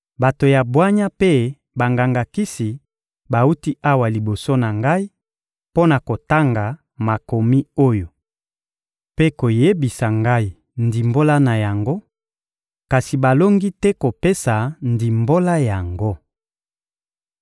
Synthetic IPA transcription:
ba˨to˨ja˨bwa˦ɲa˦pe˦ | ba˨ŋɡa˨ŋɡa˨ki˦si˨ | ba˨u˦ti˦ʔa˦wa˨li˨bo˨so˦na˨ŋɡa˦i˦ | po˦na˨ko˨ta˦ŋɡa˨ | ma˨ko˨mi˦o˦jo˨ | pe˦ko˨je˦bi˨sa˨ŋɡa˦i˨ | ndi˨mbo˦la˦na˨ja˨ŋɡo˦ | ka˨si˨ba˨lo˦ŋɡi˦tɛ˦ko˨pe˦sa˨ndi˨mbo˦la˦ja˨ŋɡo˦

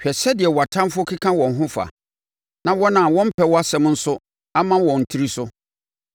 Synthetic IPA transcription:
ɕᶣɛ˨ɕɛ˦dɪ˨ɛ˨wa˨tʰã˦m˦fʊ˦ɔ˦kʰi˦kʰã˦wɔ̃˨n̩˨ɦʊ̃˦fa̰˨ | nã˨wɔ˦nã˨wɔ̃˦m̩˦pʰɛ˦wɔ˦a˦sɛ̃˦mn̩˦sʊ˦ | a˦mã˦wɔ̃˨n̩˨tʰi˦ɾi˦sʊ˦

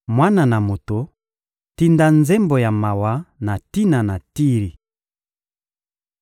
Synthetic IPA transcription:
mwa˦na˨na˨mo˨to˨ | ti˦nda˦nzɛ˦mbo˨ja˨ma˨wa˨˦na˨ti˦na˨na˨ti˦ʁi˨

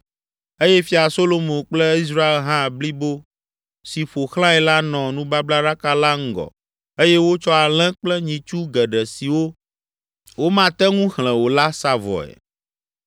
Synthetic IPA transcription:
e˦jɛ˦fi˦a˨so˦lo˦mõ˨k͡plɛ˦i˦s̬ɾa˦e˨lɦã˦˨bli˦bo˦ | si˨ɸo˨xl̃ã˦ɛ˨la˦nɔ̃˨nũ˦ba˦bla˦ɖa˦ka˦la˦ŋ̩˦ɡɔ̰˨ | e˦jɛ˦wo˦t͡ʃɔ˦a˨lɛ̃˦k͡plɛ˦ɲĩ˨t͡ʃu˦ɡɛ˨ɖɛ˨si˨wo˦ | wo˦mã˦t̪ɛ˦ŋũ˦xl̃ɛ̃˨wo˨la˦sa˦vɔ̰˨ɛ̰˨

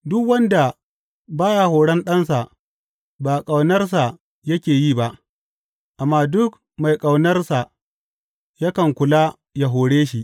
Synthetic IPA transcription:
dʊ˦kwɐ˦nda˨ | baː˦ja˨hoː˨ɽɐ˦nɗɐ˦nsa˨ | baː˨kʼa˨wnɐ˦rs̬a˨ | jɐ˦kʲeː˨jiː˦˨ba˦˨ʔ | ʔa˨mːaː˦dʊ˦k̚ | ma˨jkʼa˨wnɐ˦rsa˨ | ja˦kɐ˨ŋkʷʊ˨laː˦ | ja˨ɦoː˨ɽeː˦ʃi˦ʔ

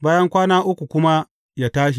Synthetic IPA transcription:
baː˦jɐ˦ŋkʷaː˦naː˦ʔʊ˦kʷu˨kʷʊ˦ma˦ | jaː˦taː˦ʃ̬i˨

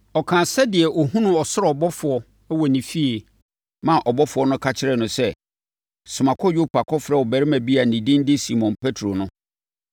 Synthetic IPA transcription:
ɔ˨kʰã˨sɛ˦dɪ˨ɛ˨ʔɔ˨ɦũ˦nʊ̃˦ɔ˨sʊ˦ɾɛ˨ɔ˨bɔ˦fʊ˨ɔ˨˦ | wɔ˨nĩ˨fi˦e˨ | mã˦˨ʔɔ˨bɔ˦fʊ˨˦ɔ˦nʊ̃˦kʰa˦t͡ɕʰɪ˦ɾɛ˨nʊ̃˨sɛ˦˨ | sʊ˨mã˨kʰɔ˦jɥu˦pʰa˨kʰɔ˦fɾɛ˦˨wɔ˨bæ˨ɾɪ˦mæ̃˨bi˦a˨nĩ˨dĩ˦n˦dɪ˦si˨mɔ̃˨npʰe˦tʰɾo˨nʊ̃˦

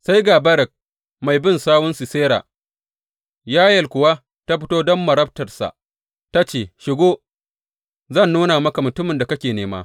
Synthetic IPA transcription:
sa˦jɡa˨bɐ˦ɾɛ˨k̚ | ma˨jbɪ˦nsaː˦wʊ˦nsi˨seː˦ɾa̰˨ | jaː˦jɐ˨lkʷʊ˨wa˦ | ta˦ɸɪ˦toː˦dɔ˦mːɐ˨ɾɐ˦b̚tɐ˨rsa̰˨ | ta˦t͡ʃeː˨ʃɪ˨ɡoː˦ | zɐ˦˨nːuː˦na˨mɐ˦ka˨mʊ˨tʊ˦mɪ˨nda˨kɐ˦kʲeː˨neː˦ma̰ː˦

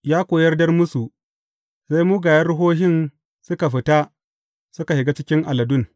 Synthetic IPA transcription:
jaː˦kʷoː˨jɐ˦rdɐ˦rmʊ˦su˨ | sa˦jmuː˦ɡaː˨jɐ˦rɽʊ˦ɦoː˦ɦɪ˦˨n | sʊ˦ka˨ɸɪ˨ta˦ | sʊ˦ka˨hɪ˨ɡa˦t͡ʃɪ˦kʲɪ˦ŋʔa˨lɐ˨dʊ˦˨n

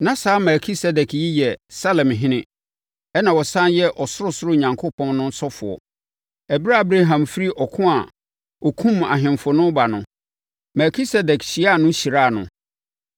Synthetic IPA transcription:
nã˦saː˨˦mɛ˨kʰi˦sɛ˨dɛ˨kʰji˦jɛ˨sa˦lɛ̃˨mɦɪ̃˦nɪ̃˦ | ɛ˦nã˨wɔ˨sã˦njɛ˦ʔɔ˨sʊ˦ɾʊ˦sʊ˦ɾʊ˦ɲã˨ŋkʰo˦pʰɔ̃˦nnʊ̃˦n˦sɔ˦fʊ˨ɔ̰˨ | ɛ˨bi˦ɾa˦˨˦bɾe˦ɦã˨mfi˦ɾi˦ʔɔ˨kʰʊ̃˦a˨ | ɔ˨kʰũ˦ma̰˨ɦɪ̃˨mfʊ˨nʊ̃˦ba˨nʊ̃˨ | mɛ˨kʰi˦sɛ˦dɛ˨kɕi˨˦a˦˨nʊ̃˦ɕi˨ɾaː˦˨nʊ̰̃˨

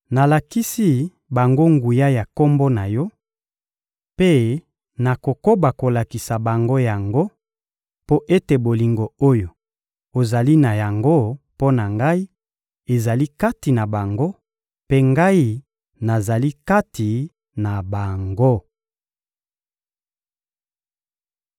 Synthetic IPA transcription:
na˨la˨ki˦si˦ | ba˨ŋɡo˦ŋɡu˨ja˦ja˨ko˦mbo˦na˨jɔ˦ | pe˦ | na˨ko˨ko˦ba˨ko˨la˨ki˨sa˨ba˨ŋɡo˦ja˨ŋɡo˦ | po˦ʔe˦te˨bo˨li˨ŋɡo˨o˦jo˨ | o˨za˨li˦na˨ja˨ŋɡo˦po˦na˨ŋɡa˦i˦ | e˨za˨li˦ka˦ti˨na˨ba˨ŋɡo˦ | pe˦ŋɡa˦i˦ | na˨za˨li˦ka˦ti˨ | na˨ba˨ŋɡo˦

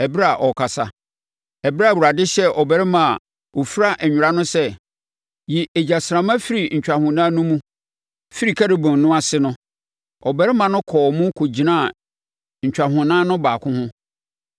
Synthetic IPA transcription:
ɛ˨bɪ˦ɾa˨ʔɔ˨kʰa˨sa̰˨ | ɛ˨bwu˨ɾa˨dɪ˦ɕɛ˦ʔɔ˨bɛ˨ɾɪ˦mã˨a˨ | o˨fi˦ɾa˦ʔɛ˨ɲᶣʊ˨ɾa˦nʊ̃˦sɛ˦ | ji˨ʔɛ˨d͡ʑa˨sɾã˨mã˦fi˦ɾi˨ɲ̩˨t͡ɕᶣa˨hʊ̃˨nãː˦nʊ̃˦mũ˦ | fi˦ɾi˨kʰa˦ɾɪ˨bʊ̃˨n˨nʊ̃˦a˨sɪ˦nʊ̃˦ | ɔ˨bɛ˦ɾɪ˦mã˨nʊ̃˦kʰɔː˨mũ˦kʰo˨d͡ʑi˨nã˦˨ | ɲ̩˨t͡ɕᶣa˨ɦʊ̃˨nãː˦nʊ̃˦baː˨kʰʊ̃˦hʊ̃˦

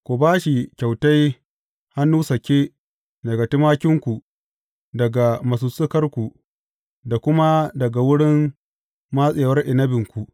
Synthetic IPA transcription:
kʷu˨baː˦ʃi˨kʲa˨wta˦j | ha˦nːuː˦sɐ˨kʲeː˦ | dɐ˨ɡa˨tɪ˦maː˦kʲɪ˦ŋkʷu˨ | dɐ˨ɡa˨mɐ˨s̬u˨sʊ˦kɐ˦rkʷu˨ | da˨kʷʊ˦ma˦dɐ˨ɡa˨wʊ˦ɽɪ˦nː | a˦sʼeː˨wɐ˦rʔɪ˨nɐ˦bɪ˨ŋkʷu˨

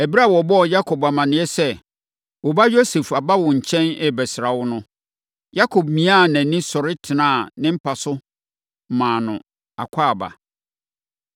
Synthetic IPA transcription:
æ˨bi˦ɾa˦˨wɔ˨bɔ˦ɔ˨ja˦kʰo˨ba˨mã˨nɪ̃˨˦ɛ˦sɛ˦ | wɔ˨ba˦jo˦se˨fa˨ba˦wʊ̃˨ɲ̩˨t͡ɕʰɛ̃˦nɛ˦bɛ˨sɪ˨ɾa˨wʊ˦nʊ̃˦ | ja˦kʰo˨b̚mĩ˨˦a˦˨nɛ̃˨nĩ˦sɔ˨ɾɪ˦tʰɪ˨nãː˦˨nɪ̃˦m̩˦pʰa˨sʊ˦˨ | mãː˨nʊ̃˨ | a̰˨kʷʰaː˦a˨ba̰˨

